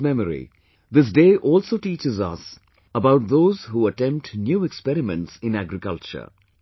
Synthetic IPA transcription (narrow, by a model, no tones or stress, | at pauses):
mɛməɾḭ | d̪ɪs̬deːʔɔːlsoːʈiːt͡ʃɪzʌ̰s | əbaʊʈ̚d̪oːz̥huːəʈɛ̃mp̚ʈnjuːɛkspɛɾɪmə̰̃nʈsɪ̃næɡɾɪkʌlt͡ʃə̰ɾ